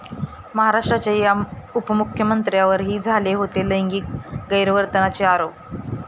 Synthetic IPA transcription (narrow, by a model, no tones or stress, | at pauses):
məɦaɾaʂʈɾat͡ɕajaupəmukʰːjəmənt̪ɾjaʋəɾɦiːd͡zʱaleɦot̪eləjŋɡiːk̚ɡəjɾəʋəɾt̪ənat͡ɕeaɾop̚